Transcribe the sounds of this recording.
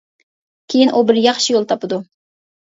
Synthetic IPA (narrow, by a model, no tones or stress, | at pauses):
kʲʰejinʔubɪɾjɑχʃijolˠt̪ʰɑpɨd̪u